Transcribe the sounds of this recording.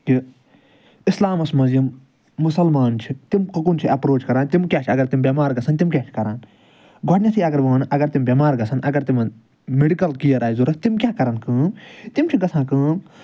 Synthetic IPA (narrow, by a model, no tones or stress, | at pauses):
ki | islaːmɐsmɐzjɐmː | ʊsɐlmaːnt͡ʃʰit̪imkɐkunt͡ʃʰiʔɐpɾoːt͡ʃkɐɾãːnt̪imkʲjaːt͡ʃʰɐɡɐɾt̪imbʲɐmaːɾɡɐsʰɐnt̪imkʲaːt͡ʃʰkɐɾaːn | ɡʱoʈnʲɐsʰiɐɡɐɾʋɐnʔɐɡɐɾt̪imbʲjɐmaːɾɡɐsʰɐnɐɡɐɾt̪im | meɖikɐlkijɐɾaːjzuɾɐst̪imkʲjaːkɐɾɐnkɨ̃ːt̪imt͡ʃʰiɡɐsʰãːkɨ̃ː